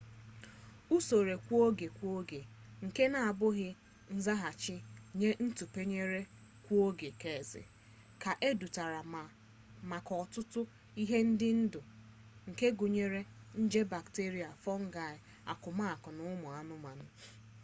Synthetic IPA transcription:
u˦so˨ɾe˨kʷo˦ɡe˨kʷo˦ɡe˨ŋ̩˨ke˦na˨a˨bʊ˦ɣɪ˦ | n̩˦za˦ɦa˨t͡ʃɪ˦ɲe˦n̩˦tu˨pe˦ɲe˦ɾe˦ | kʷo˦ɡe˨ke˨zɪ̰˨ | ka˨ʔe˦du˨ta˨ɾa˨ | ma˨kɔ˨tʊ˦tʊ˦ | i˦ɦe˦n̩˦dɪ˦n̩˦dʊ˨ | ŋ̩˨ke˦ɡu˨ɲe˦ɾe˦n̩˦d͡ʒe˦ba˨kte˦ɾi˨a˨fɔ˦ŋ̩˦ɡa˦˨ɪ˨ | a̰˨kʊ˨ma˦a˨kʊ˨nʊ˦mʊ˨a˨nʊ˦ma˨nʊ˦

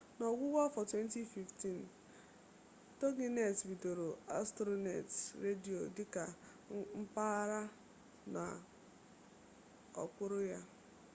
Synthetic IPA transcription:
nɔ˨ɡʷʊ˦wa˦fɔ˨twe˦n˦ti˦fi˨fti˦˨n˨ | to˦ɡi˦ne˨tbi˨do˨ɾo˨a˦stɾo˦nḛ˨tɾe˦di˨o˨dɪ˦ka˨ | m̩˦pa˦ɾa˦ | na̰˨ | ɔ̰˨kʷʊ˦ɾʊ˦ja˦

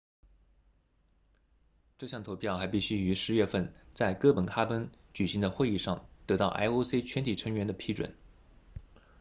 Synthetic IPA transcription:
ʈ͡ʂɤ˥˧ɕjɑ˥˩ŋt̪ʰo˧˥ʊpʰjɑ˥˩ʊxa˧˥ɪpi˥˩ɕy˥y˧˥ʂɻ̩˧˥ɥɛ˥˧fə˥˧nt͡sa˥˧ɪkɤ˥˩pə˨˩nkʰa˥pə˥nt͡ɕy˨˩ɕi˧˥ŋd̪ə˧xwe˥˧ɪi˥˧ʂɑ˥˩ŋt̪ɤ˧˥t̪ɑ˥˩ʊʔa̰˥ɪo˥ʊse˥ɪt͡ɕʰɥɛ˧˥nt̪ʰi˨˩ʈ͡ʂʰɤ˧˥ŋɥɛ˧˥nd̪ə˧pʰi˥ʈ͡ʂwə̰˨˩˦n

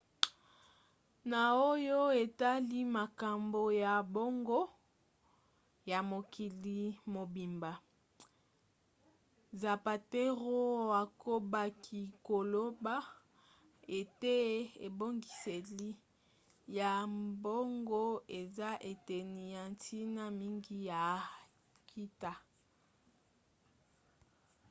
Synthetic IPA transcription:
na˨o˦jo˦e˨ta˦li˦ma˨ka˨mbo˨ja˨bo˦ŋɡo˦ | ja˨mo˨ki˨li˨mo˨bi˨mba˨ | za˨pa˨te˦ʁo˦a˨ko˦ba˨kʰi˨ko˨lo˦ba˦ | e˨te˦ḛ˨bo˦ŋɡi˨se˨li˦ | ja˨mbo˦ŋɡo˦e˨za˦ʔe˨te˨ni˨ja˨ntʰi˦na˦mi˦ŋɡi˦ja˨ | kʰi˦ta˦

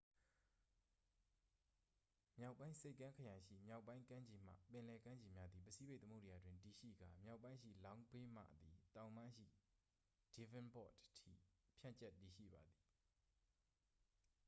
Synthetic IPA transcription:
mja˦ʊpːã˦ɪ̃nse˦ɪʔkːã˦ŋkʰə˨jã˨ɪ̃ʃḭ˦˨mja˦˨ʊpːã˦ɪ̃kã˦ɲd͡ʑi˨m̥ä̰˦˨pɪ̃˨lɛ˨kã˦ɲd͡ʑi˨mja˦d̪ði˨pəsʰi˦be˦ɪʔt̪əmo˦˨dja˨dwɪ̃˨nti˨ʃḭ˦˨ɡa˨mja˦ʊpːã˦ɪ̃ʃḭ˦˨lã˦ʊ̃mpe˦ma̰˦˨d̪i˨t̪ã˨ʊ̃mã˦ʃḭ˦˨ | d̥i˨vɪ̃˦npɔ̰˦˨ttʰḭ˦˨pʰjã˦˨t͡ɕɛ˦˨tːi˨ʃḭ˦˨ba˨d̪i˨

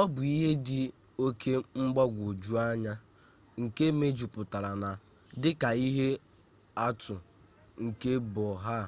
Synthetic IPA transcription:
ɔ˦bʊ˨i˦ɦe˦dɪ˨ | o˦kʰe˦ŋ͡m̩˦ɡ͡ba˦ɡʷo˨d͡ʒu˦a˦ɲa˦ | ŋ̩˨ke˦me˦d͡ʒu˨pʊ˨ta˨ɾa˨na˨ | dɪ˦ka˨i˦ɦe˦ | a˦tʊ˨ | ŋ̩˨ke˦bɔ˨ɦa˦˨

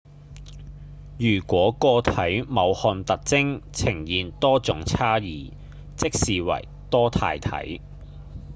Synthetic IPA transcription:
jyː˨˩kʷɔː˨˥kɔː˧t̪ʰɐ˨˥jmɐ˨˧whɔː˧nt̪ɐ˨k̚t͡sɪ˥ŋt͡sʰɪ˨˩ŋjiː˨nt̪ɔː˥t͡sʊ˨˥ŋt͡sʰaː˥jiː˨ | t͡sɪ˥k̚siː˨wɐ̰˨˩j | t̪ɔː˥t̪ʰa̰ː˧jt̪ʰɐ̰˨˥j

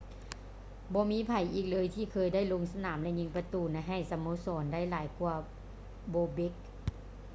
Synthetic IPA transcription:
bɔː˧˦miː˧˥˨pʰa˨˩jʔiː˨˩k̚lɤː˧jt̪ʰiː˧˩kʰɤː˧˨jda˥˩jlo˧ŋsa˧naː˩˦mlɛ˧ɲi˧˦ŋpa˧t̪uː˧˩na˧˥ɦa˧˩jsa˧moː˧˦sɔː˨˩˦nda˥˨jlaː˨˩˦jkuː˧ | boː˧be˧˦k̚

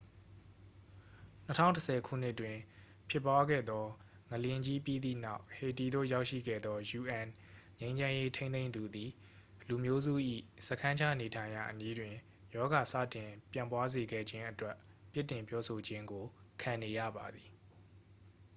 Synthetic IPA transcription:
nətʰã̰˦˨təsʰɛ˨kʰṵ˦˨n̥ɪ˦ʔtːwɪ̃˨ | pʰjɪ˦˨pːwa˦ɡɛ̰˦˨d̪ɔ˦ | ŋəljɪ̃˦ɲd͡ʑi˦pji˦d̪ðḭ˦˨na˦ʊʔhe˨ti˨d̪o̰˦˨ja˦ʊʔʃḭ˦˨ɡɛ̰˦˨d̪ðɔ˦ju˨ʔɛ̃˨n | ɲẽ˦ɪ̃ɲd͡ʑã˦je˦tʰẽ˦ẽ˦ɪ̃d̪u˨d̪i˨ | lu˨mjo˦zṵ˦˨ʔḭ˦˨sə˨kʰã˦ɲt͡ɕʰa˦˨ne˨tʰã˨ɪ̃ja̰˨ʔəni˦dwɪ̃˨ | jɔ˦ɡa˨sa̰˦˨tɪ̃˨pjã˨mpwa˦ze˨ɡɛ̰˦˨d͡ʑɪ̃˦ʔətwɛ˦ | pjɪ˦ʔtɪ̃˨mpjɔ˦so˨d͡ʑɪ̃˦ŋɡo˨kʰã˨ne˨jä̰˦˨ba˨d̪ði˨

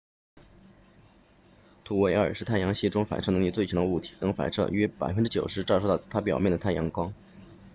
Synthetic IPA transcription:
t̪ʰu˧˥wɛ˧˥ə̰˞˨˩ʂɻ̩˥˧t̪ʰa˥˩ɪjɑ˧˥ŋɕi˥˩ʈ͡ʂʊ˥ŋfa̰˨˩ʈ͡ʂʰɤ˥˩nɤ˧˥li˥˧t͡swe˥˩t͡ɕʰjɑ˧˥d̪ə˧u˥˩t̪ʰi̥˧˥˩t̪ɤ˧˥ŋfa̰˨˩ɪʈ͡ʂʰɤ̰˥˧˩ɥɛ˥pa̰˨˩ɪfə˥nʈ͡ʂɻ̩˥t͡ɕjo˨˩ʊʂɻ̩˧˥ʈ͡ʂʂwt̪ɑ˥˩ʊt̪ʰa˥pjɑ˨˩ʊmjɛ˥˩nd̪ə˩t̪ʰa˥˩ɪjɑ˧˥ŋkwɑ˥ŋ

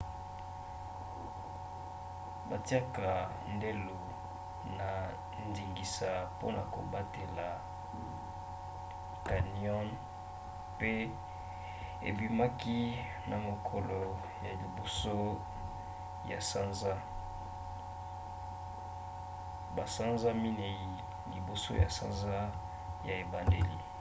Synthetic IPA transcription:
ba˨ti˦a˦ka˨ | nde˦lo˨ | na˨ | ndi˨ŋɡi˨sa˨po˦na˨ko˨ba˦te˨la˨ | ka˨niɔ˦n | pe˦ | ḛ˨bi˦ma˦ki˦ | na˨mo˨kʰɔ˨lɔ˨ | ja˨li˨bo˨so˦ | ja˨sa˦nza˦ | ba˨sa˦nza˦mi˦ne˨ji˨ | li˨bo˨so̰˦ja̰˨sa̰˦nza˦ | ja˨e˨ba˨nde˦lḭ˨

